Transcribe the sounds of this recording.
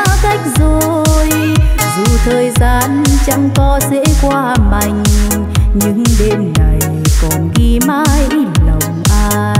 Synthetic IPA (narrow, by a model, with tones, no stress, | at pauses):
a˧ka˦˥jk̟̚zo˨˩j | zu˨˩t̪ʰəː˨˩jzaː˧˩nt͡ɕa˧˥ŋkɔ˨˦sḛ˧˥kwaː˧˩ma˧˩jŋ̟ | ɲɨ˧˥ŋɗe˧nŋa˨˩j | kɔ˨˩nɣi˧maː˧˥jlə˨˩wŋ͡mʔaː˧